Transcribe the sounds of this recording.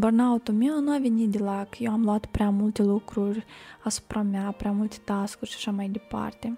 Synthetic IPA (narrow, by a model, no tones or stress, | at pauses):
bərnaot̪umeonuavenit̪d̪elakjewamluat̪pɾeamult̪e̞lukɾurʲasu̥pɾamjapɾeamult̪e̥t̪askurʲʃḁʃamajd̪e̞pa̰rt̪e̞